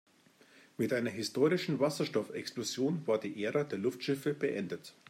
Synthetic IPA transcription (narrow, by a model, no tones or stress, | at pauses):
mɪtʔaɪnɐɦɪstʰoːʁɪʃn̩vasɐʃtɔfɛksplozjoːnvaːɐdiːʔeːʁədeːɐlʊftʃɪfəb̥əʔɛndət